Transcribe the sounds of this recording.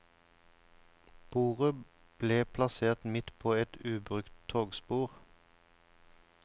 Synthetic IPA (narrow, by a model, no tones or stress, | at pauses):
b̥uːʁə | b̥leːpʰlɑseːʁt̪mɪt̪pʰoːɛt̪ʉːbʁʉkt̪ʰoːɡspuːʁ